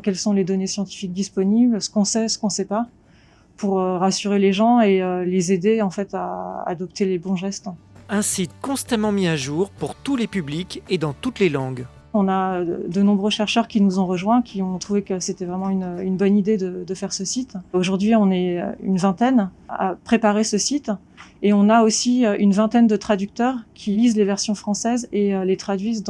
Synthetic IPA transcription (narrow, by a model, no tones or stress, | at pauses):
kʲɛlsɔ̃led̪ɔnesjɑ̃t̪i̥fik̚d̪ispɔniblsə̥kɔ̃sɛsə̥kɔ̃sɛpa | puʁøʁasyʁeleʒɑ̃eølezed̪eɑ̃fɛt̪aa̰d̪ɔpt̪elebɔ̃ʒɛst̪ | ɛ̃sit̪kɔ̃st̪amɑ̃miaʒuːʁpuʁt̪ulepybliked̪ɑ̃t̪ut̪lelɑ̃ɡ | ɔ̃naød̪ənɔ̃bʁøʃɛʁʃœʁkʲinuzɔ̃ʁəʒwɛ̃kʲʰiɔ̃t̪χuvekəset̪ɛvʁɛmɑ̃ynynbɔnid̪ed̪əd̪əfɛʁsəsit̪oʒuʁd̪ɥiɔ̃nɛø̰y̰nvɛ̃t̪ɛna̰pχepaʁesəsit̪ | eɔ̃naosiøʔynvɛ̃t̪ɛnd̪ət̪χad̪yk̚t̪œʁkʲʰilizlevɛʁsjɔ̃fχɑ̃sɛzeølet̪χad̪ɥizd̪